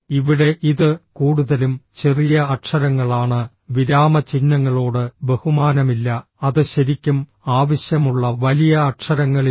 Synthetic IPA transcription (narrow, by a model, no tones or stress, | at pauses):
iʋiɽe̞ʔiðɨkuːɽuðɐlumt͡ɕe̞rijɐɐʈʂɐɾɐŋːɐɭaːɳɨ | ʋiɾaːmɐt͡ɕinːɐŋːɐɭoːɽɨbe̞humaːnɐmilːɐ | ɐðɨɕɐɾikʲːum | aːʋɐɕjɐmuɭːɐʋɐlijɐːʈʂɐɾɐŋːɐɭi